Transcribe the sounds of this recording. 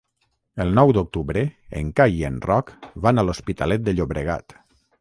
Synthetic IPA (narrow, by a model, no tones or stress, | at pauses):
əlˠnɔwd̪ok̚t̪uβɾeḛŋkajienrɔkβanalospit̪alɛt̪̚d̪əʎoβɾəɣ̞a̰t̪